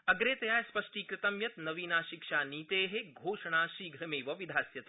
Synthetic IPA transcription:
ɐɡɾeːt̪ɐjaːjspɐʂʈiːkɾɪt̪ɐmjɐt̪nɐʋiːnaːʃikʃaːniːt̪eːɦeɡʱoːʃɐɳaːʃiːɡʱɾɐmeːʋɐʋid̪ʱaːsjɐt̪e

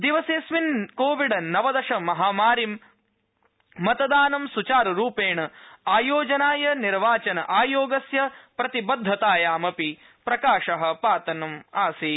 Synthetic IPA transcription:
d̪iʋɐseːsʋinkoːʋiɖɐnɐʋɐd̪ɐʃɐmɐɦaːmaːɾim | ɐt̪ɐd̪aːnɐmsut͡ʃaːɾɾuːpeːɳɐaːjoːd͡ʒɐnaːjɐniɾʋaːt͡ʃɐnɐʔaːjoːɡɐsjɐpɾɐt̪ibɐd̪ʱːɐt̪aːjaːmɐpi | pɾɐkaːʃɐɦɐ̆paːt̪ɐnɐmaːsiː

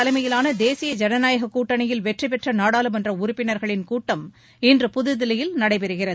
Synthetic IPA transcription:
ɐlɐmɐjɪlaːnɐd̪eːsɪjɐd͡ʒɛnɐnaːjɐɣɐkːuːʈːɐnɐjɪlʋɛʈripɛʈrɐnaːɽaːlɯmɛndrɐʊɾʊpːɪnɐɾɣɐɭɪnkuːʈːɐm | ɪndrɯpʊðɯðɪlɐjɪlnɐɽɐɪpɛɾɯɣɪrɐðɯ

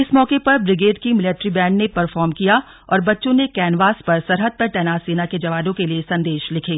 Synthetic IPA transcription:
ɪsmɔːkepɐɾbɾɪɡeːɖkimɪleʈɾibɛ̃ːɳɖnepɐɾfɔːɾmkija | ɔ̰ːɾbɐtːʃõnekɛːnʋaːspɐɾsɐɾɦəd̪̚pɐɾʈɛːnaːseːnaked͡ʒɐʋaːd̪õkeliesɐ̃nd̪eːʃlɪkʰeː

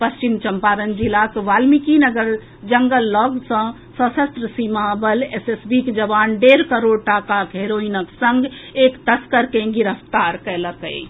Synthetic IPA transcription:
pəst͡ʃimt͡ʃəmpaːɾənd͡ʒilakʋaːlmikinəɡəɾ | d͡ʒəŋɡəlːɔːɡsə̃ | səsəst̪ɾəsimabəlesesbikd͡ʒəʋaːnɖeɾkəɾoːɽʈakakɦeɾoinəksə̃ŋɡekt̪əskəɾkẽɡiɾəft̪aːɾkɛləkə̰i

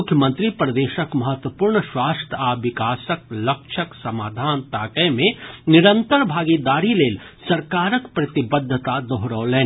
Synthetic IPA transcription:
ʊkʰjəmə̃nt̪ɾipɾɐd̪eːʃəkmɐɦət̪wəpuːɾɳəʃwaːst̪ʰaːʋɪkaːsək̚lɐkʃʰəksɐmaːd̪ʱaːnt̪aːkɛmẽnɪɾə̃nt̪əɾbʱaːɡid̪aːɾileːl | sɐɾkaːɾəkpɾɐt̪ɪbəd̪ʱːət̪ad̪oɦɾəʋlẽː

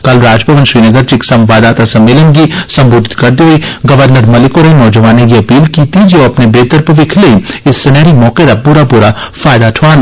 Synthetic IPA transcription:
kɐlɾaːd͡ʒpɐʋənʃɾiːnəɡəɾd͡ʒiksɐ̃mʋaːd̪aːt̪asɐ̃mɪlə̃ŋɡisɐ̃mbʊːd̪ʱɪ̥t̪kɐɾd̪iiɡɐʋəɾnəɾmɐlɪkoːɾenɔːd͡ʒəʋaːnekiɐpiːlkiːt̪id͡ʒoːɐpnebeːt̪əɾpəʋɪkʰleɪsːɪnɛːɾimɔːked̪apuɾapuɾafaːɪd̪aʈʰʋaːn

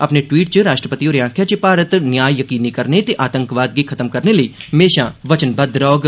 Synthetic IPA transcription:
ɐpneʈʋiːʈ̚t͡ʃəɾaːʃʈɾəpət̪ioːɾjãːŋkʰjat͡ʃəpaːɾət̪njaːjjɐkiːnikɐɾnet̪eʔaːt̪ə̃ŋkʋaːd̪̚ɡikʰɐt̪əmkɐɾneləiːɦɐmeːʃaʋət͡ʃənbəd̪ɾɔːɡ

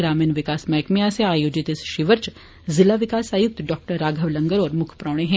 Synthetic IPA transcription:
ɾaːmiːnʋɪkaːsmɛːkmijaːseaːjoːd͡ʒɪt̪ɪsʃɪʋəɾt͡ʃ | zɪlaʋɪkaːsaːjʊk̚t̪ɖɔːk̚ʈəɾːaːɡʱəʋlɐ̃ŋɡəɾɔːɾmʊkʰpɾaːɽ̃eɦɛ̃ː

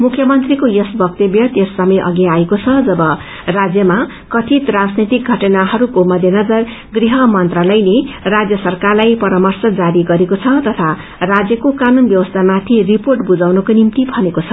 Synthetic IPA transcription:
mukʰjʌmʌnt̪rikojʌsbʌk̚t̪ʌbjʌt̪jʌsːʌmʌʔʌ̰ɡiaekot͡sʰʌd͡zʌbʌ | rad͡zjʌma | kʌt̪ʰit̪rad͡znit̪ik̚ɡʱʌʈʌnaɦʌɾukomʌd̪ʱjʌnʌd͡zʌr | ɡriɦʌmʌnt̪ralʌjlerad͡zjʌsʌrkarlajpʌɾʌmʌrsʌd͡zaɾiɡʌɾekot͡sʰʌt̪ʌt̪ʰa | rad͡zjʌkokanunbjʌwʌst̪ʰamat̪ʰiriporʈbud͡zawnʌkonimt̪ibʱʌnekot͡sʰʌ

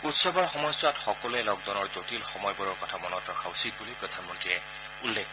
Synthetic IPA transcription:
utsɔbɔɹxɔmɔjswatxɔkɔlɛlɔɡ̚dɔnɔɹzotilxɔmɔjbɔɹɔɹkɔtʰamɔnɔtɹɔkʰausit̚bulipɹɔd̪ʱanmɔntiɹɛ | ulːek

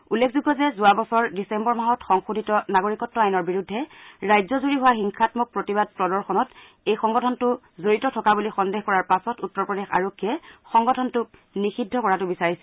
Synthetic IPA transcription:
ulːekʰzuɡɔzɛzʊabɔsɔɹdisɛmbɔɹmaɦɔtxɔŋxudʱitɔnaɡoɹikɔtːɔajnɔɹbiɹudʱːɛɹajzɔzuɹiɦʊwaxiŋxʰatmɔk̚pɹotibad̚pɹɔdɔɹxɔnɔt | ejxɔŋɡɔtʰɔntʊ | zoɹitɔtʰɔkabulixɔndeɦkɔɹaɹpasɔtutːɔɹpɹɔdexa̰ɹokʰːiɛxɔŋɡɔtʰɔntʊk̚nixidʱːɔkɔɹatʊbisaɹisɛ

